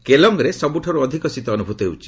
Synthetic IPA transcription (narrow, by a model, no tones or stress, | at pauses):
kelɔŋɡɾesɔbuʈʰɔɾuɔd̪ʱikɔsit̪ɔɔnubʱut̪ɔewt͡ʃʰi̥